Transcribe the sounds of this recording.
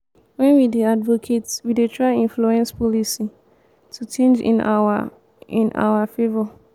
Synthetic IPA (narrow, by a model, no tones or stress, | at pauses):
wɛ̃nwideadvokʰetwidetʰɹaĩnfluɛ̃nspɔlisi | tʰut͡ʃẽnd͡ʒḭ̃n | ĩnʔa̰afevɔ